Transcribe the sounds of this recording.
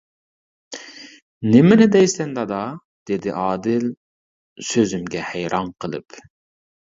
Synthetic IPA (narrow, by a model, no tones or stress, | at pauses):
nɪmɪnɪd̪ɛjsɛnd̪ɑd̪ɑ | d̪̥ed̪ɪʔɑːd̪ɪl | søzymɡʲɛhæjɾɑnqʰəlˠɨ̰p